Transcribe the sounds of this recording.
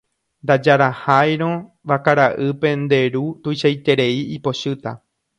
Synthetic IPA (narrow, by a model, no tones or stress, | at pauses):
nd̪ad͡ʒaɾahajɾ̃õ | ʋakaɾaʔɨpe̞nd̪e̞ɾut̪ujʃajt̪e̞ɾe̞iipo̞ʃɨt̪a̰